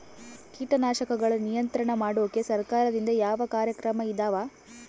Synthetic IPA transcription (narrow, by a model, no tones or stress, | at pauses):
kiːʈɐnaːʃɐkɐɡɐɭɐnijɐnt̪ɾɐɳɐmaːɽoːkesɐɾkaːɾɐd̪ind̪ɐjaːʋɐkaːɾjɐkɾɐmɐid̪aːʋaː